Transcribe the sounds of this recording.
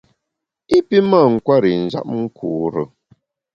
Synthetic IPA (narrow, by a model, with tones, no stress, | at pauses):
i˦pi˦ma˦˨ŋ̩˨kwa˦ɾi˨n̩˨za̰˦˨p̚ŋ̩˦kʰuː˨ɾə˨